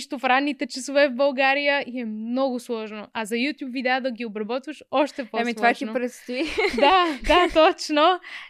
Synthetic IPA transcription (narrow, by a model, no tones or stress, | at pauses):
ʃt̪ʊfɾanit̪ɐt͡ʃisuvɛvbɐlˠɡaɾiəiɛmnɔɣʊswɔʒnʊʔazɐjut̪jubvid̪ad̪ɐɡiʊbɾɐbɔt̪vɐʃɔʃt̪ɛpɔɛmit̪vat̪inʊpɾɐst̪id̪ad̪at̪ɔt͡ʃno